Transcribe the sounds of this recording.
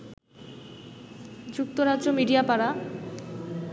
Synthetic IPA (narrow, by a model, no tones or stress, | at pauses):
d͡ʑuk̚t̪oɾadɾomiɖiapaɽa